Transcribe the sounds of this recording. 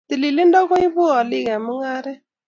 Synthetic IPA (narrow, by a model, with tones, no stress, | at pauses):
t̪i˨li˨lɪ˦ndɔ˦kɔ˦i˦βʊ˦a˨lɪ˦ɣɛ˨mʊ˦ŋa˦ɾɛ˦